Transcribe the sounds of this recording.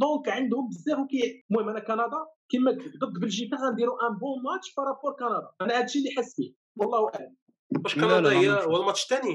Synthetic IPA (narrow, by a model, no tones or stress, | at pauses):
d̪ˤõkʕənd̪hʊmbəzːæfwkæjmuhimænækɑnɑd̪ˤɑkimækd̪əd̪ːbəlʒit̪æɣænd̪iɾuʔæmbõmɑt̪ʃfɑɾˤɑpuɾkɑnɑd̪ˤɑʔænæhæd̪ʃilːiħasbi | wɑlˤːɑhwʔaʕləm | bæʃkɑnɑd̪ˤɑhəjːæwælmɑt̪ˤʃt̪æni